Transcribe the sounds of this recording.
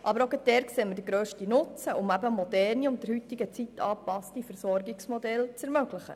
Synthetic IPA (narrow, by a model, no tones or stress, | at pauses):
ʔɑbəɾoɡəd̥ɛɾkseːmədəɡɾøːʃtinʊt͡səʔʊmæbəmɔd̥̪ɛrniʊntd̥̪əɾhyt̪ɪɡət͡sit̪ʰːɑːpɑstifɛɾsɔrɡɪksmɔd̪ɛlt͡sɛɾmøɡləχə̰